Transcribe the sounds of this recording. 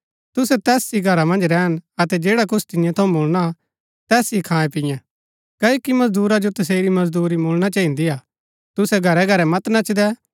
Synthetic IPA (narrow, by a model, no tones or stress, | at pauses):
t̪ʊsɛt̪ɛːsiɡʱɐɾamɐ̃nd͡ʒɾɛːənɐt̪ɛd͡ʒeːɽakʊt͡ʃʰt̪ɪnjãt̪ʰɐũboːlna | t̪ɛːsikʰãːɛ̃pɪjɛ̃ | kɐːjoːkimɐsd̪uːɾad͡ʒot̪ɐs̬eːɾimɐzd̪uːɾimoːlñat͡ʃɐːĩnd̪iaː | t̪ʊsɛɡʱɐɾɛɡʱɐɾɛmɐt̪nɐt͡ʃd̪ɛ